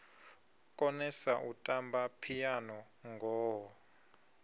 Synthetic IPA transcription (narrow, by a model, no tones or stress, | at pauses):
kʼɔnɛsaʔutʼambapʰijanɔ | ŋɡʱɔːɦɔ